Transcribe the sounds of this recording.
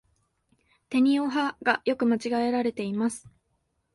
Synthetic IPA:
t̪e̞ɲ̟io̞ɦaɡajo̞kɯ̟mat͡ɕiɡae̞ɾaɾe̞t̪e̞imasɨ̥

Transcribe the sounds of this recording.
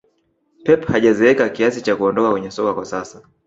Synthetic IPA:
pɛphaʄazɛɛkakiasit͡ʃakuɔndɔkakwɛɲɛsɔkakwasasa

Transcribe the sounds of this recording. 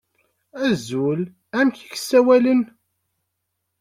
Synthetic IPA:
æzʊl | æmçi̥ç̥sːæwælən

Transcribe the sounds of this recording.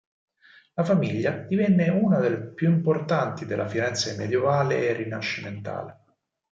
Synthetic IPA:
lafamiʎːad̪̥ivɛnːeuːnad̪elepjuimport̪ant̪id̪elːʔa̰fiɾɛnt̪saimːḛd̪jevaːlḛːrːinaʃːiment̪a̰ːle

